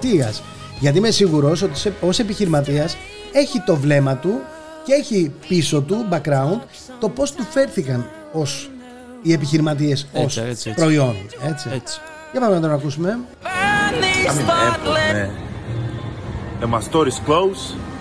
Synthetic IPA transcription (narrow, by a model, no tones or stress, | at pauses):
t̪iɐs | ʝɐt̪imesiɣuɾo̞so̞t̪iso̞se̞piçiɾimɐt̪̬iɐs | e̞çit̪o̞vle̞mɐt̪u | ceeçipiso̞t̪̬ubɐkɾɐund̪ | t̪o̞po̞st̪ufe̞ɾθikɐn | o̞s | ie̞piçiɾimɐt̪̬ie̞so̞spɾo̞io̞ne̞t͡si̥ | ʝepɐmenɐt̪onɐkusume̞ | ɐmiene | emɐst̪oɾisklows